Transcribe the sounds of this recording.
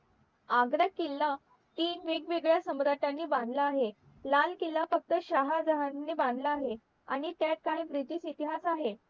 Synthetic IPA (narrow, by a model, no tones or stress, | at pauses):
aɡɾakːilːa | t̪iːnʋeɡʋeɡɭjasəmɾaʈjanːiːbãnd̪ʱləːɦe | lankilːafək̚t̪əɕaɦad͡zaɦannːiːbãnd̪ʱləːɦe | a̰ɽ̃it̪jaʈ̪̚kaɽ̃ibɾit̪iːsit̪iɦasaɦe